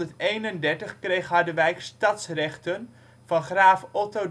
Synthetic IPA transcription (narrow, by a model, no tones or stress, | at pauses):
əɹtejnəndɛɹtəχkrejχɦɑɹdəʋɛjkstɑtsrɛχtən | v̥ɑnχraːfɔto